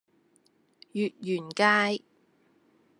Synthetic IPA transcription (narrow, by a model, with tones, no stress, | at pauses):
jyː˨t̚jyː˨˩nkaː˥j